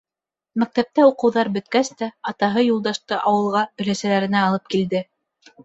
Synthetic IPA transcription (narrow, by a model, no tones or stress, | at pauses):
mæk̚t̪æp̚t̪æuqɤ̆wðɑɾbɵ̆t̪̚kæst̪æɑt̪ɑɦɤjulˠd̪ɑʃt̪ɤʔɑwɤ̆lˠʁɑɵ̆læsælæɾɘ̆næɑlˠɤp̚kild̪ɘ